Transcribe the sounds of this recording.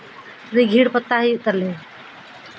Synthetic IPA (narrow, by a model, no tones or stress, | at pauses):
ɾiɡʱiːɽpət̪ːaɦiʊt̪əɾle